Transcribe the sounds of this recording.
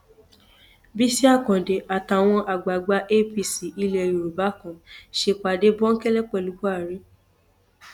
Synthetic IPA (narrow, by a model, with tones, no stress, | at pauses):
bi˦si˦a˦˨kɔ̃˨de˨ʔa˨ta˨w̃ɔ̃˧ʔa˨ɡ͡ba˨ɡ͡ba˧˦ʔe˦pi˧˨si˨ʔi˧lɛ˧˨ɾu˨ɾo˨ba˨˦kɔ̃˨ʃe˧k͡pa˨de˦bɔ˦ŋ̩˦kɛ˦lɛ˦k͡pɛ˦˨lu˨˦bɔ˦a˦˨ɾi˦